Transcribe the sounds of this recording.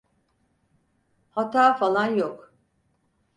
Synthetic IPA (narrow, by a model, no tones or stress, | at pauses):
hat̪ʰaːfalˠanjok